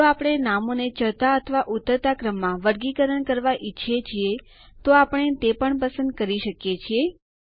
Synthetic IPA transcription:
oapəɽ̃enamonet͡ʃəɭt̪aət̪ʰəʋaʔut̪əɾt̪akɾəmːãʋəɾɡikəɾəɳkəɾʋaʔitːʃʰet͡ʃʰie | t̪oapəɳ̃et̪epəɳpəsə̃nd̪̚kəɾiʃəkjet͡ʃʰie

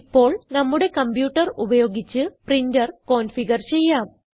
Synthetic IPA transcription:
pːo̞ːɭnɐmːuɽe̞kɐmbjuːʈːɐrubɐjo̞ːɡit͡ɕːɨprindɐrko̞ːnfiɡɐrt͡ɕe̞jːaːm

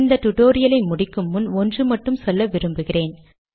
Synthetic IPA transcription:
nd̪ɐʈ̪ʊʈoːɾɪjɐlɐɪmʊɽɪkːɯmːɯnɔndrɯmɐʈːɯmsɔlːɐʋɪɾɯmbɯɣɪreːn

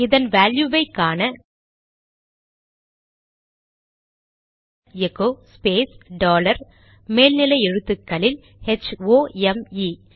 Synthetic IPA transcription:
ɪðɐnʋaːljuʋɐɪkːaːnɐ | ɛkːoːspeːsɖoːlɐɾ | meːlnɪlɐɪɛɻɯt̪ːɯkːɐlɪl | ɛt͡ʃoːɛmi

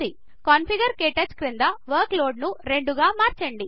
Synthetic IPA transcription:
i | kɐːnpʰiɡɐɾkeːʈɐt͡ʃkɾind̪ɐʋɐɾkloːɖnuɾe̞ɳɖuɡaːmaːɾt͡ʃɐɳɖi

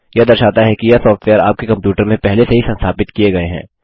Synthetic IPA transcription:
jɐd̪ɐɾʃaːt̪aɦɛkijasɔːfʈʋeːəɾa̰ːp̚kekɐ̃mpjuːʈəɾmẽpɛɦleseɦisɐ̃nst̪ʰaːpɪt̪kieɡɐeɦɛ̰̃ː

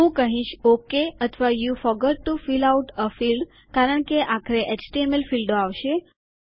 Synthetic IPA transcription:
ɦũkəɦĩʃokeət̪ʰʋajufɔɡəɾ̚ʈufilawʈəfilɖ | kaɾəɳ̃keʔakʰəɾeʔet͡ʃʈiemelfilɖoaʋʃe

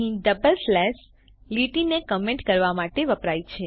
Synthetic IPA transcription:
ɦĩɖəbəlslɛs | liʈinekəmẽɳʈkəɾʋamaʈeʋəpɾajt͡ʃʰe

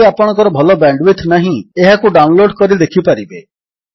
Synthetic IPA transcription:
eapɔɽ̃ɔ̃ŋkɔɾɔbʱɔlɔbaɳɖwit̪ʰnaɦĩeɦakuɖawnloɖkɔɾid̪ekʰipaɾibe

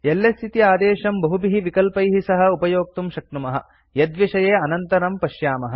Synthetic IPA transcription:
elːest̪ʰit̪iaːd̪eːʃɐmbɐɦubiɦiʋikɐlpɐjɦisɐɦɐ̆upɐjoːk̚t̪umʃɐk̚t̪umɐɦɐ̆ | jɐd̪ʋiʃɐjeːɐnɐnt̪ɐɾɐmpɐʃjaːmɐɦɐ̆

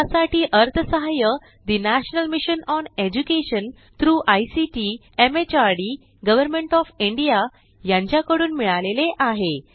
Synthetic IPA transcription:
asaʈʰiːʔəɾt̪ʰəsəɦajə | d̪inæɕnəlmiɕənɔned͡ʑukeɕən | t̪ɾuːʔajsiʈi | emet͡ɕaɾɽi | ɡəʋəɾmeɳʈɔfiɳɖija | jãɲt͡ɕjakəɽuːnmiɭaleleʔaɦe

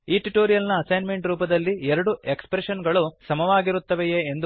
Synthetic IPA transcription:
iːʈuʈoːɾijɐlnɐːsɐjnme̞ɳʈɾuːpɐd̪ɐlːiɛɾɐɽuekspɾeʃɐnɡɐɭusɐmɐʋaːɡiɾut̪ːɐʋejeːnd̪u

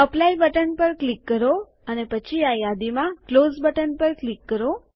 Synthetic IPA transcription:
əplaibəʈənpəɾklikːəɾo | ənepət͡ʃʰiajad̪imãklozbəʈənpəɾklikːəɾo

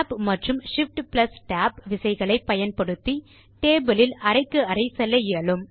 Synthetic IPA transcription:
pmɐʈrɯmʂɪfʈplɐsʈaːpʋɪsɐɪɣɐɭɐɪpːɐjɐnpɐɽɯt̪ːi | ʈeːbɯlɪlɐɾɐɪkːɯɐɾɐɪsɛlːɐjeːlɯm

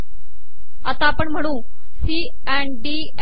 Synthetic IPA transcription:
ət̪apəɳm̤əɽ̃ũː | siː | ɛɳɖi

